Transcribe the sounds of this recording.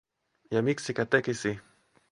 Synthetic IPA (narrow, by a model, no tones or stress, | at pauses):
jamiksikat̪ekisi